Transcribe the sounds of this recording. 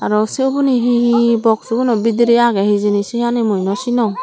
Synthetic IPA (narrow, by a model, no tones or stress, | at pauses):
aɾɔsiubuniɦihibɔk̚suɡunɔbidiɾiaɡɛhizinisihanimujnɔsinɔ